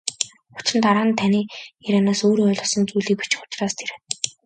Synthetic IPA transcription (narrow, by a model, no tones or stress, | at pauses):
ʊ̥t͡ɕrɘ̆nt̪aɾaːnt̪ʰaniːiɾanaːsoːɾœːɮʊ̆sɞ̆nt͡sujɮiːk̚pi̥t͡ɕɪ̥̆xʊ̥t͡ɕraːst̪ʰeɾ